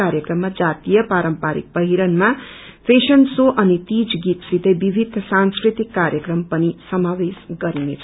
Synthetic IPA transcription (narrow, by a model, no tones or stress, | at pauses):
aɾjʌkrʌmːad͡zat̪ijʌpaɾʌmpaɾḭk̚pʌɦiɾʌnma | pʰesʌnsoʔʌnit̪id͡zɡit̪sit̪ʌbibʱid̪ʱsãnskrɾit̪ikːaɾjʌkrʌmpʌnisʌmawesɡʌɾinḛt͡sʰ